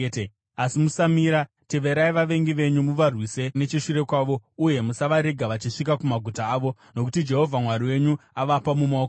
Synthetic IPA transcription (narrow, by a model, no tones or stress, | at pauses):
asimusamiːɾa | te̞ʋe̞ɾaiʋaʋe̞ŋɡiʋe̞ɲumuʋarwise̞net͡ʃiʂiɾe̞kwaːʋo̞uje̞musaʋaɾe̞ɡʱaʋat͡ʃiʂik̬akumaɡʱutaːʋo̞ | no̞k̬utid͡ʒe̞ɦo̞vʱamwaɾiwe̞ɲuaʋapamumook